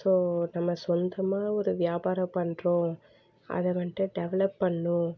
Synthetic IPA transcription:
soːnɐmːɐsɔnd̪ɐmaːɔɾɯʋɪjaːbaːɾɐ̃pɐɳɾõː | ɐ̰ðɐʋɐnʈːɯ̃ɖɛʋɛlɐpːɐɳːʊ̃

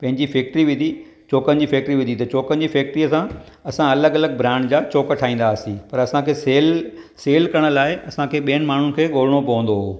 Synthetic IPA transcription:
pɐ̃ɦɪ̃ɲd͡ʑifɛːk̚ʈɾiʋɪd̪ʱi | t͡ɕoːkənd͡ʑiːfɛːk̚ʈɾiʋɪd̪ʱit̪ɐt͡ɕoːkənɪ̆d͡ʑiːfɛːk̚ʈɾiɐsã | ɐsãɐləɡɐləɡ̚bɾãːɳɖd͡ʑaːt͡ɕoːkʈʰaːĩːn̆d̪aːsĩpɐɾɐsãkʰeːseːlseːlkɐɾəɽ̃əlaːɪɐsãkʰeːɓiːənɪ̆maːɳ̤unɪ̆kʰeːɠoːl̤əɽ̃opɐʋə̃n̆d̪oɦoː

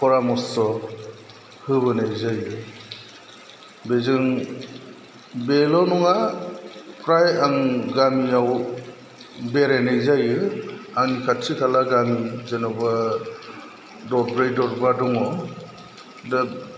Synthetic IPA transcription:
pʰɔɾamɔsɔ | hɯβɯnajzajɯ | bezɯŋ | belɔnɔŋa | pʰɾajaŋɡamiaw | beɾenejzajɯaŋnikʰatsikʰalaɡamizenɔba | dɔɾbɾejdɔɾbadɔŋɔ | da

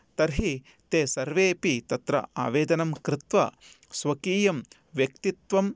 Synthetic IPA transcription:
t̪ɐɾɦi | t̪eːsɐɾʋeːpit̪ɐt̪ɾɐ̰ʔa̰ːʋeːd̪ɐnɐmkɾɪt̪ʋɐ̰ | sʋɐkiːjɐm | ʋjɐkt̪it̪ʋɐm

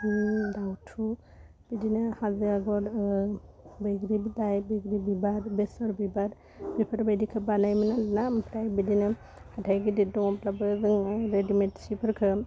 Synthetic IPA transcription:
dawtʰu | b̥idinɯhazɯaɡɔɾ | bɯjɡɾibidajbeɡɾibibaɾbesɔɾbibaɾ | bipʰɯɾbajdikʰɯbalajmanɯnampʰɾajbidinɯ | hatʰajɡididɔŋɔpʰlabɯzɯŋɾedimetsipʰɯɾkʰɯ

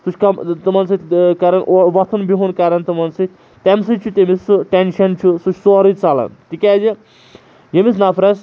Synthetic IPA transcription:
sut͡ʃʰʲkɐmt̪ɨmɐnsɨt̪ʲkɐɾɐnʔoʋɐt̪ʰunbiɦunkaɾɐnt̪ɨmɐnsɨt̪ʰʲ | t̪emsɨt͡ʃʰut̪ʲemisɨʈenʃɐnt͡ʃʰusut͡ʃʰsoɾɨt͡salɐ̰nt̪ikʲad͡ʒi | jemis̬napʰɾɐs

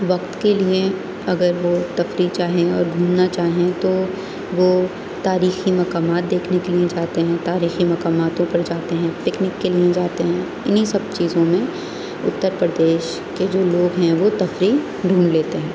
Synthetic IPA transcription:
ʋɐqt̪kelie | ɐɡəɾʋot̪ɐfɾit͡ʃaːɦẽɔ̰ːɾɖʱuːnnat͡ʃaːɦẽt̪o | ʋo | t̪aːɾiːximɐkaːmaːt̪̚d̪eːkʰnekelied͡ʒaːt̪eɦɛ̃t̪aːɾiːximɐkaːmaːt̪õpɐɾd͡ʒaːt̪eɦɛ̃pɪknɪkːelied͡ʒaːt̪eɦɛ̃ | ɪnɦisɐb̚t͡ʃiːzõmẽ | ʊ̰t̪ːəɾpɾəd̪eːʃ | ked͡ʒoːloːɡɦɛ̃ʋot̪ɐfɾiː | ɖʱuːnleːt̪eɦɛ̃ː

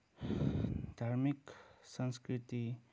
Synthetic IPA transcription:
d̪ʱaɾmiksə̃nskɾit̪i

